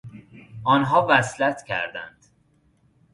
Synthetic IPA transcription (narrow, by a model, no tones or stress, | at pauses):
ʔɒːnɦɒːvæslæt̪ʰcʰæ̰ɾd̪æ̰nd̪̥